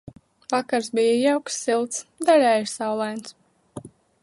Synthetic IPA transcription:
vakaɾsbijajawksːilˠt̪sd̪aɾʲɛːjsawlˠajns

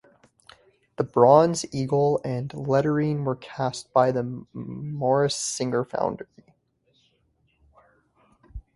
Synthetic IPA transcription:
ðəbɹɑ̃nziɡl̩ˠɨ̃nlɛɾə˞ĩnwə˞kʰæst̚b̥aɪðɨ | mɔɹɨsɪ̃ŋə˞fã̰ʊ̃ndə˞i

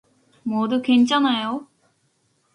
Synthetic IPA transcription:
mod̪ukʰent͡ɕanajo

